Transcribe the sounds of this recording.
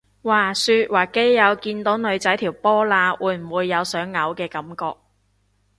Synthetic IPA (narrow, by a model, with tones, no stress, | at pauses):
waː˨˩syː˧t̚waː˨˩ke˨˥jːɐ˨˧wkiː˧nt̪o˨˥wnɵ˨˧ɥt͡sɐ˨˥jt̪ʰiː˨˩wpɔː˥laː˧wuː˨˧jm̩˨˩wuː˨˧jːɐ˨˧wsœː˨˥ŋːɐ˨˧wkɛː˧kɐ˨˥mkɔː˧k̚